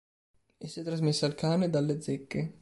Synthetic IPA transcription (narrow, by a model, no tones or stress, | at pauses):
esːɛt̪ːɾazmesːaːlkaːned̪alːed̪zekːe